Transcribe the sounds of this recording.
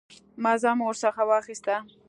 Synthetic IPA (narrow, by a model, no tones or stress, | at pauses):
mɑzɑmwəɾsaxawɑxɪst̪a